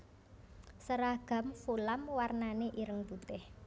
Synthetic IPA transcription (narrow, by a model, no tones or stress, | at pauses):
səɾaɡ̥a̤mfulamwarnaneʔiɾəŋb̥ut̪ɪh